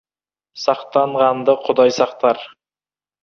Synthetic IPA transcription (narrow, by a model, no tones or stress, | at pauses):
sɑqt̪ɑɴʁɑnd̪əqʰʊd̪ɑjsɑqt̪ɑɾ